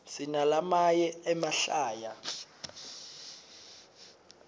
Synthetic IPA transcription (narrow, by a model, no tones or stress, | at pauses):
sinalamajɛɛmaɬaːja